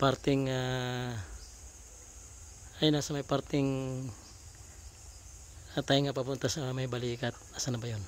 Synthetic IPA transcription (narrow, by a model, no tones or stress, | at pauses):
part̪iŋa | ajnasamajpart̪iŋ | at̪aiŋapapunt̪asaamajbalikat̪̚asanabajɔn